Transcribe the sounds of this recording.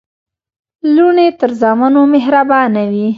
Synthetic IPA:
luɳet̪əɾzɑmanomeɦɾabɑnawi

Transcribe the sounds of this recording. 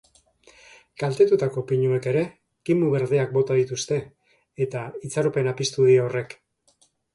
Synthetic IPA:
kalt̪e̞t̪ut̪ako̞piɲue̞ke̞ɾe̞ | kimuβe̞ɾðeak̚bo̞t̪aðit̪ust̪e̞ː | t̪ait͡saɾope̞napist̪uð̞iaore̞k

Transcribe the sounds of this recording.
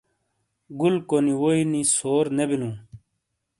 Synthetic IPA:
ɡulkoniwoinisoːɾnebinũː

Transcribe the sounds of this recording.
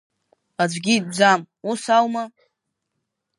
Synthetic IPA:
ad͡zʷɡʲid̚d͡zam | usawma

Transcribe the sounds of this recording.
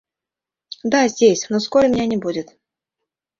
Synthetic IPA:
d̪azʲdʲesʲnoskoɾʲəmʲɪnʲanʲɪbudʲɪt̪

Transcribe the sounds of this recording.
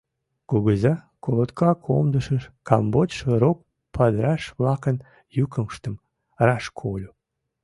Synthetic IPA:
kuɡəzɑ | kolˠot̪kʰɑkʰo̰md̪əʃəʃkambotʃəɾok̚ | pʰɑd̪ɾɑʃβlˠɑkən | jukəmʃt̪əm | rɑʃkʰolʲu

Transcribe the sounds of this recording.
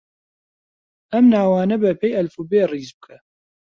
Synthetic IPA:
ʔɐmnaːwaːnɐbɐpʰejʔɐlfubeːriːzbɨkʰɐ

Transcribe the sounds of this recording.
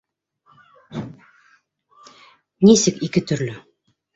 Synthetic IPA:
nisɘkikɘt̪ɵ̆ɾlɵ

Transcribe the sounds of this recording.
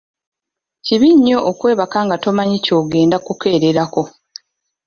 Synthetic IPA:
ciβiɲːo̞ʔokwe̞ːβakaŋɡato̞maɲico̞ːɡe̞ːndakuke̞ːɾe̞ɾako̞

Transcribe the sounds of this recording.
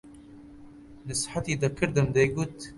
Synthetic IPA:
nɨsħat̪iːd̪ɐkʰɨɾd̪əmd̪eɡut̪

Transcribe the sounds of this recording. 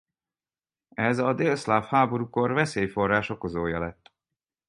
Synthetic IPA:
ɛzɒd̪elslaːfhaːboɾuko̞rvɛseːjfo̞rːaːʃo̞ko̞zoːjɒlɛt̪ː

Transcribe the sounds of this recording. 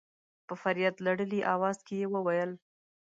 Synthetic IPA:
pəfaɾijat̪laɽəliʔɑwɑzkejewəwajəl

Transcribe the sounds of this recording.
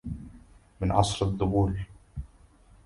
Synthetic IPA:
mɪnʕɑsˤɾɑðˤːʊbuːɾ

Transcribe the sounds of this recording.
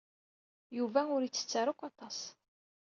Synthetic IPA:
juvæʊɾjit͡sːə̥t͡sːaɾʊkʷɑt̪ˤɑs

